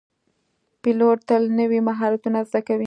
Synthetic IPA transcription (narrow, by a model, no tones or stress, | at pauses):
piloʈt̪əlnəwimaɦɑɾat̪unazd̪akawi